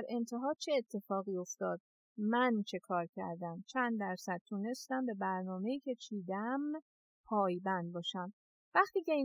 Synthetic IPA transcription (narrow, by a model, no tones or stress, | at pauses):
ɾʔe̞nt̪ʰe̞ɦɒːt͡ʃʰeːt̪ʰːe̞fɒːɣiːo̞ft̪ɒːd̪̚ | mænt͡ʃʰe̞kʰɒːɾcʰæ̰ɾd̪æmt͡ʃʰænd̪d̪ːæɾsæd̪̥̚t̪ʰuːne̞st̪æmbe̞bæɾnɒːme̞iːcʰe̞t͡ʃʰiːd̪æm | pʰɒːjbænd̪̚bɒːʃæm | væχt̪iːce̞i